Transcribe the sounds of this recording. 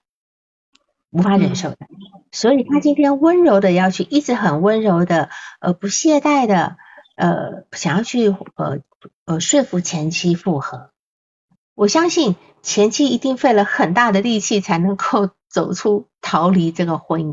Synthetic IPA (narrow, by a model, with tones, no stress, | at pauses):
u˧˥fa˧˥ɻə˧˥nʂo˥˩ʊd̪ə˩swɔ˧˥i˨˩t̪ʰa˥t͡ɕi˥nt̪ʰjɛ˥nwə˥nɻo˧˥ʊd̪ə˧jɑ˥˧ʊt͡ɕʰy˥˧ʔi˥˩ʈ͡ʂɻ̩˧˥xə˨˩nwə˥nɻo˧˥ʊd̪ə˧ə̰˧pu˧˥ɕjɛ˥˧t̪a˥˩ɪd̪ə˩ | ə̰˧ɕjɑ˨˩ŋjɑ˥˧t͡ɕʰy˥˩ə̰˧˩ | ə˧ʂwe˥˧ɪfu˧˥˩t͡ɕʰjɛ˧˥nt͡ɕʰi˥fu˥˩xɤ˧˥˦ | wɔ˨˩ɕjɑ˥ŋɕi˥˩n | t͡ɕʰjɛ˧˥nt͡ɕʰi˥i˧˥t̪i˥˧ŋfe˥˩ɪlə˩xə˨˩nt̪a˥˩d̪ə˩li˥˧t͡ɕʰi˥˩t͡sʰa˧˥ɪnɤ˧˥ŋko˥˩ʊ | t͡so˨˩ʊʈ͡ʂʰu˥t̪ʰɑ˧˥ʊli˧˥ʈ͡ʂɤ˥˩ɡə˩xwə˧˥i˥˩